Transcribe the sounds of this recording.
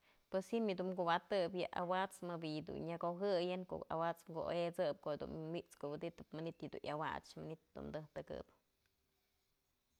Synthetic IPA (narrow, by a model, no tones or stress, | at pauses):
pweshimɨd̪uʔmɡuwat̪ɨpjɨʔa̰wat͡smɨbijd̪ṵnɲaɡoɦɨjɨnko̰ʔa̰wat͡smɡoʔo̰et͡sɨp̚kohd̪ṵnmiʔt͡skoʔwɨd̪it̪ɨpmɨnit̪ɨd̪ṵnʔawa̰t͡ʃmanit̪d̪ṵmd̪ɨht̪ɨɡɨ̰p